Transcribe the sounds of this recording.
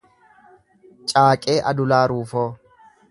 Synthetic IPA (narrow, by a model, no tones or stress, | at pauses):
t͡ʃʼaːkʼeːʔɐd̪ʊlaːɾuːfoː